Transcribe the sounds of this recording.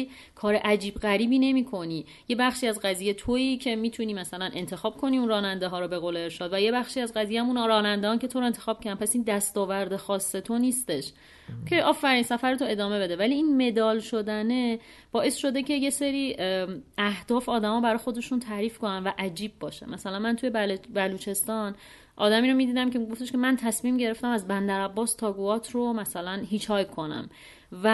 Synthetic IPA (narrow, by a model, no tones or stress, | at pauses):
kʰɒːɾeʔæd͡ʒiːbɣæɾiːbiːne̞miːkʰo̞niː | je̞bæxʃiːæzɢæzijet̪ʰoiːcʰe̞miːt̪ʰuniːmæsælænʔe̞nt̪ʰe̞xɒːb̥̚kʰo̞niːunrɒːnænd̪eɦɒːɾɔbe̞ɣoːleeɾʃɒːd̪væje̞bæxʃiːæzɢæziːjemuːnɾɒːnænd̪eɒːncʰe̞t̪ʰoɾoe̞nt̪ʰexɒːb̥̚cʰæɾd̪ænpʰæsiːnd̪æst̪ɒːvæɾd̪exɒːsːe̞t̪ʰo̞niːst̪e̞ʃ | cʰe̞ʔɒːfæɾiːnsæfæɾet̪ʰoe̞d̪ɒːme̞be̞d̪evæliːiːnme̞d̪ɒːlʃo̞d̪æne̞ | b̥ɒːʔe̞sʃo̞d̪e̞cʰe̞je̞seɾiː | æhd̪̥ɒːfɒːd̪æmɒːbæɾɒːjxo̞d̪e̞ʃunt̪ʰæɾiːfko̞nænvæʔæd͡ʒiːb̚ːɒːʃḛmæsælænmænt̪ʰuje̞lbæluːt͡ʃʰe̞st̪ɒn | ʔɒ̰ːd̪æmiːɾo̞miːd̪iːd̪æmcʰeɡo̞ft̪eʃcʰe̞mænt̪ʰæsmiːmɟe̞ɾe̞ft̪æmæzbænd̪æɾæbːɒːst̪ʰɒːɡuɒːt̪ʰɾomæsælænɦiːt͡ʃʰɒːjkʰo̞næ̰m | væ